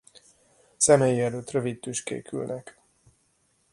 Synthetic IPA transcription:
sɛmeːjiɛløːt̪røvit̪t̪yʃkḛːkʰy̰lnʔɛk

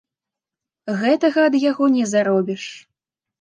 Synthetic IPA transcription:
ɣɛt̪ɐɣɐːd̪jaɣɔnʲɛzaɾɔbʲiʂ

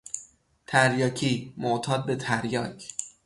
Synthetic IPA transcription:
t̪ʰæɾjɒːcʰiːmoʔt̪ʰɒːd̪̚be̞t̪ʰæɾjɒːcʰ

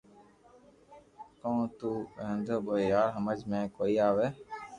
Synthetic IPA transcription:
kõːt̪uːɦə̃nd̪oːɓoːejaːɾɦəməd͡ʒmẽːkoːiːaːʋeː

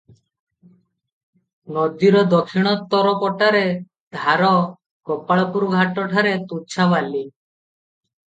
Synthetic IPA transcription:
nɔd̪iɾɔd̪ɔkʰːiɽ̃ɔt̪ːɔɾɔpɔʈaɾe | d̪ʱaɾɔ | kɔpaɭɔpuɾuɡʱaʈɔʈʰaɾet̪ut͡ʃʰabali

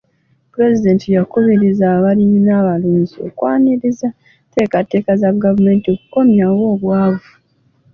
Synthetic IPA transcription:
puɾe̞zide̞ːntijakuβiɾizaβalinaβaluːnzio̞̰kwaːniɾiza | te̞ːkate̞ːkazaɡavume̞ːntio̞kuko̞mjawo̞ːβwaːvu

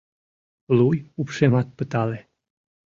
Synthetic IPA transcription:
lujupʃemɑt̪̚pət̪ɑle

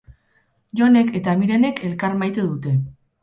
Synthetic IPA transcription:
ʝo̞ne̞ke̞t̪amiɾene̞kʰe̞lkaɾmajt̪e̞ðut̪e̞

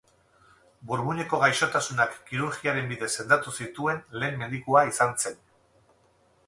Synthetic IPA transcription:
buɾβuɲe̞ko̞ɣajʃo̞t̪asunakːiɾuɾɣiaɾe̞mbiðe̞sːe̞nd̪at̪usit̪ue̞nle̞ːmːe̞ðikuaisanse̞n

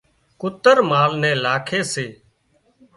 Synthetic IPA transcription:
kʊt̪əɾmaːlnɛ̃ːlaːkʰeːseː

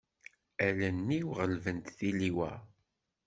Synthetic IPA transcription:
ælənːiwʁəlvənt̪θiliwæ̰

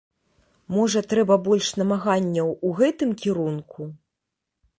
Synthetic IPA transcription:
mɔʐɐt̪ɾɛbɐbɔlʲʂnɐmaɣanʲːɐwuɣɛt̪ɨmkʲiɾunkʰu

